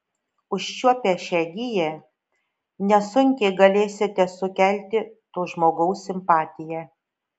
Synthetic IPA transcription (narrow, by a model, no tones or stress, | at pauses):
ʊʃt͡ʃʲuɔpʲɛʃʲɛɡʲɪjɛ | nʲɛsʊŋʲkʲɛɪɡɐlʲeːsʲɪt̪ʲɛsʊkʲɛlʲt̪ʲɪt̪oːʒmoːɡɐʊsːʲɪmpɑːt̪ʲɪjæ